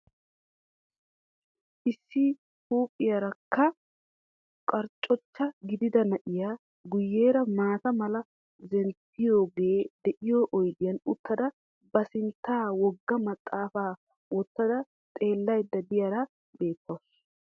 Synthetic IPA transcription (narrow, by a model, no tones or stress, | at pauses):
ʔɪsːɪ | huːpʼːɪjɐɾɐkːɐ | kʼɐɾt͡ʃʼːɔt͡ʃːɐɡɪd̪ɪd̪ɐnɐʔɪjaː | ɡʊjːeːɾɐmaːt̪ɐmɐlɐ | zɛnt̪ːɪjo̞ːɡe̞ːd̪ɛʔɪjoʔɔjɡɪjɐnʊt̪ːɐd̪ɐ | bɐsɪnt̪ːaːwɔɡːɐmɐt̪ʼːaːfaː | wɔt̪ːɐd̪ɐ | t̪ʼe̞ːlːɐjd̪ːɐd̪ɪjɐɾɐ | be̞ːt̪ʰːɐws